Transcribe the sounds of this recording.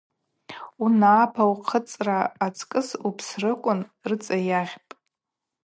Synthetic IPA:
unaːpʰawqʰət͡sʼraːt͡sʰʼkʼɨsupʰsrɨkʷʼʊnrɨt͡sʼajaʁʲpʼ

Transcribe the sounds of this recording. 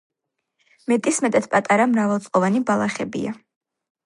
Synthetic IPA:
mɛt̪ʼismɛt̪ʼat̪̚ʰpʼat̪ʼaɾamɾavɛlˠt̪sʼqʼɔvanibalˠaχɛbḭa

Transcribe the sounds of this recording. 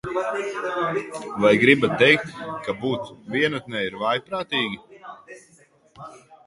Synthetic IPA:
vajɡɾibat̪ːɛjk̚t̪kabuːt̪sviɛnut̪nɛiɾvajpɾaːt̪iːɡʲi

